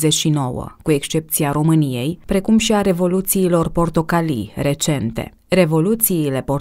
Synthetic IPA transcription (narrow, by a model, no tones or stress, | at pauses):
zet͡ʃʃino̞wə̰kue̞kst͡ʃe̞p̚t̪siaɾo̞mɨnije̞jpɾe̞kumʃiaɾe̞vo̞lut̪siːlo̞rpo̞rt̪o̞kalḭre̞t͡ʃe̞nt̪e̞̰ | re̞vo̞lut̪siːle̞po̞